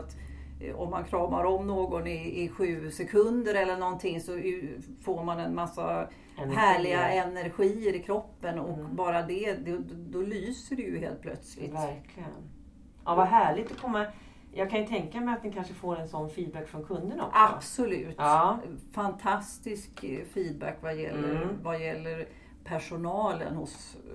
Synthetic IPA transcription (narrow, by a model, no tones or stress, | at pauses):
at̪ | ɔ̰mːa̰nkʰɾɑːmaɾɔmnoːɡɔnɪɪɧʉ̟ːsɛkʰɵnd̪əɾɛlːəɳɔnt̪ʰɪŋːsɔfoːɾmanɛnmasːa | hæːɭɪɡaɛnæɾɧiːəɾɪkʰɾɔpːənɔkbɑːɾad̪ɛd̪ɛd̪ɔlyːsəɖɛjɵheːlt̪̚pʰlœ̰t̪slɪ̰væɾkʰlɪɡən | ʔavaɦæːɭɪt̪ɔkʰɔmːa | jɑːɡkʰanjɵt̪ʰɛŋkamɛat̪d̪ɛnkʰanʂəfoːɾɛnsɔnːfiːd̪̚bɛkfɾɔnkʰɵnd̪ənɔ̰absɔlʉ̟ːt̪fant̪ʰast̪ɪskfiːd̪̚bæ̰kːvajɛ̰lːəɾvajɛlːəɾ | pʰæʂʊnɑːlə̰nhʊs